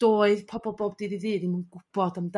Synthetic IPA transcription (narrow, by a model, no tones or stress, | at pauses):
d̥oːɨðpʰɔbɔlˠbɔːbdiðiðɨːdimanɡʊb̥ɔdəmd